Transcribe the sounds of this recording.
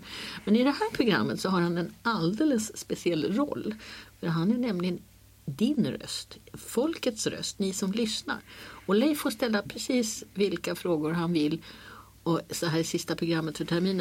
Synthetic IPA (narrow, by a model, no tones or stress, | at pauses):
mɛnɪd̪ɛhæːɾpʰɾʊɡɾa̰mːət̪sɔɦaɾhanɛnald̪ɛːləsːpɛsɪɛlːɾɔ̰lːfœɾɦanæɳɛmlɪɡən | d̪ɪnɾœ̰st̪fɔlkət̪sɾœ̰st̪nɪsɔmlʏsna̰ɾɔlɛjfoːʂt̪ɛlːapʰɾɛsiːsvɪlkafɾoːɡʊɾɦanvɪlː | ɔsɦæːsɪst̪apʰɾʊɡɾamːət̪fœʈʰɛɾmiːn